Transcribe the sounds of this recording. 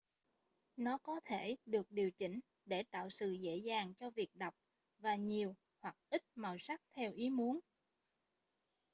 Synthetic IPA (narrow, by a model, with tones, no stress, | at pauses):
nɔ˨˦kɔ˨˦t̪ʰe˧˩ɗɨ˨˩ək̚ɗi˨˩əwt͡ɕï˧˩ŋ̟ | ɗe˧˩t̪a̰ː˧˨wsɨ̰˧˨zḛ˧˥zaː˨˩ŋt͡ɕɔ˧vi˨˩ək̚ɗa˨˩wk͡p̚ | vaː˨˩ɲi˨˩əw | hwa˨˩k̚ʔi˦˥t̚maː˨˩wsa˦˥k̚t̪ʰɛ˧wʔi˨˦mu˨˦ən